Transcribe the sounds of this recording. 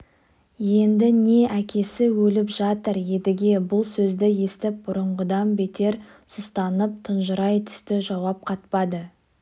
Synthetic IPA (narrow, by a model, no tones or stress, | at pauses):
je̞nd̪ɪne̞ʔækʲe̞sɪwɵlɪpʒɑt̪əɾje̞d̪ɪɡʲe̞bʊlˠsɵzd̪ɪje̞st̪ɪp̚bʊɾəɴʁəd̪ɑnbe̞t̪e̞ɾ | sʊst̪ɑnəp̚t̪ʰənʒəɾɑjt̪ʰʏ̥st̪ɪʒɑwɑp̚qʰɑt̪pɑd̪ə